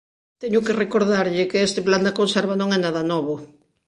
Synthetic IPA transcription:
t̪eɲokerekoɾðaɾʎɪkeest̪epland̪akonseɾβanõŋɛnaðɐnɔβo

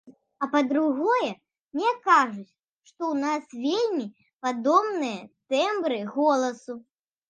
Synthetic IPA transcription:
ɐpɐd̪ɾuɣɔjɛ | mnʲɛkaʐut͡sʲ | ʂt̪ɔwnasvʲelʲmʲi | pad̪ɔmnɨjɐt̪ɛmbɾɨɣɔlˠɐsu

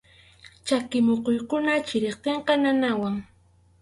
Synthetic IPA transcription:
t͡ʃakɪmoqojkʊnat͡ʃɪɾeχt̪eɴqɑnanawaŋ

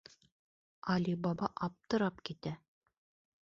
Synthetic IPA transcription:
ɑlibɑbɑʔɑp̚t̪ɤ̆ɾɑpkit̪æ

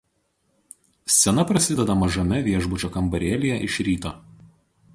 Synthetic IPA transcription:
sʲɛnɐpɾɐsʲɪd̪ʲɛd̪ɐmɐʒɐmʲɛʋʲiɛʒbʊt͡ʃʲoːkɐmbɐɾʲeːlʲɪjɛʔɪʃɾʲiːt̪oː

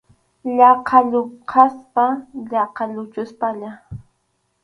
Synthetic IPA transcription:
ʎɑqʰaʎoqʰaspaʎɑqʰɑʎʊt͡ʃʊspaʎa

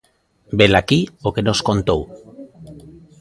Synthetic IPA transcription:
belakiokenoskont̪ow

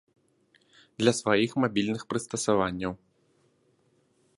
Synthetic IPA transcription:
d̪lʲɐsvajixmabʲilʲnɨxpɾɨst̪ɐsavanʲːɐw

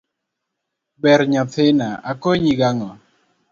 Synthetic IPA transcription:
bɛɾɲɔt̪ʰɪnaakoɲiɡaŋɔ

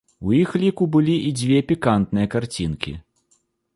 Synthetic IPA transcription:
ujixlʲikubɨlʲiʔid͡zʲvʲɛpʲikant̪nɨjɐkart͡sʲinkʲḭ

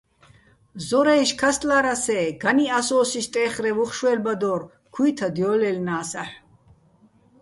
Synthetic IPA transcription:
zɔɾɛjʃkʰast̪ʼlaɾasɛːɡ̥aniasɔːsiʃt̪ʼɛːχɾɛvuχʃwɛlbad̪ɔːr | kʰujt̪ʰad̪jɔːlɛlnaːsaħ

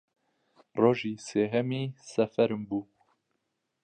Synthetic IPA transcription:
roːʒiːseːɦɛmiːsɛfɛɾɨmbuː

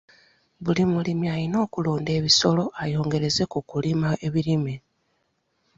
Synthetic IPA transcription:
βulimulimiajino̞ːkulo̞ːnde̞ːβiso̞lo̞ajo̞ːŋɡe̞ɾe̞ze̞kukulimae̞βiɾime

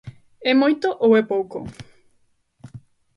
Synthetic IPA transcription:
emojt̪oʔowepowko̰

